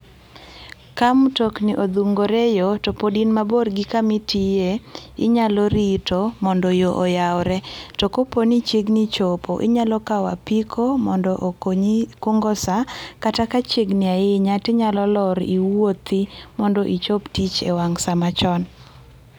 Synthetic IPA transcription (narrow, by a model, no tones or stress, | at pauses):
kamtɔkniʔod̪uŋɡoɾɛjotopodinmaborɡikamɪtijeɪɲalɔɾitomɔndɔjoʔojawɾɛtɔkoponit͡ʃeɡnit͡ʃopoʔɪ̰ɲalɔkawa̰pikʰomɔndɔʔokoɲikʊŋɡɔsakatakat͡ʃeɡnɪaɪɲatɪɲalɔlɔɾiwot̪imɔndɔʔit͡ʃoptit͡ʃewaŋsamat͡ʃɔn